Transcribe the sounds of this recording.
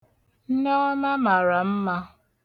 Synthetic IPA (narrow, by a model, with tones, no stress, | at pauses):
n̩˦nɔ˦ma˦ma˨ɾa˨m̩˦ma˦